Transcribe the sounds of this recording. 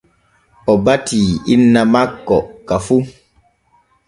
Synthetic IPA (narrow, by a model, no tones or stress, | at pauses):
ɔbatiːinːamakːɔkafu